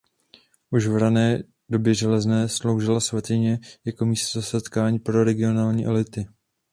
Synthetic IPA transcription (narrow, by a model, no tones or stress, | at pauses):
ʔuʃvɾanɛː | do̞bjɛʒɛlɛznɛːslo̞wʒɪlasvat̪ɪɲɛjako̞miːst̪zasɛt̪kaːɲiːpɾo̞ɾɛɡɪo̞naːlɲiːʔɛlɪt̪ɪ